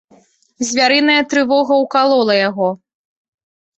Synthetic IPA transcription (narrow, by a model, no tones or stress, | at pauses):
zʲvʲaɾɨnɐjɐt̪ɾɨvɔɣɐwkalˠɔlˠɐjaɣɔ